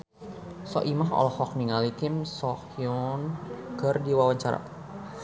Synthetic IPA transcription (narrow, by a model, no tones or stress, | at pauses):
sɔ̰ʔimaɦɔ̰lɔhɔk̚niŋalit̪ɪmsɔkjɔnkərdiwawaɲt͡ʃaɾa̰